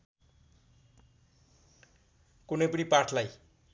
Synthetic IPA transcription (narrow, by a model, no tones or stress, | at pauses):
kunʌjpʌnipaʈʰlaj